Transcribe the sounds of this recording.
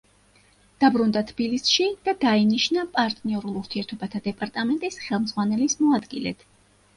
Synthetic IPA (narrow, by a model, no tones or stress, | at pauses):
d̪̥abɾund̪at̪ʰb̥ilisʃid̪̥ad̪ainiʃnapʼaɾt̪ʼniɔɾulˠuɾt̪ʰiɛɾt̪ʰɔbat̪ʰad̪ɛpʼaɾt̪ʼamɛnt̪ʼisχɛlˠmzʁwanɛlismɔad̪ɡilɛ̰t̪ʰ